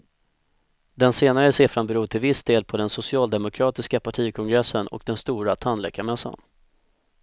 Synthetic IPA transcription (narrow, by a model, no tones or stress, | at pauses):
d̪ɛnseːnaɾəseːfɾanbɛɾuːʈʰɪlvɪsd̪eːlpʰɔd̪ɛnsʊsɪɑːld̪ɛmʊkʰɾɑːt̪ɪskapʰaʈʰiːkʰɔŋɡɾɛsːənɔ̰k̚d̪ɛnst̪uːɾat̪ʰanlɛkːamɛsːa̰n